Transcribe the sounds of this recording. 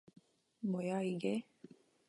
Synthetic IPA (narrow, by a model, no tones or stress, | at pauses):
mɔjaiɡɛ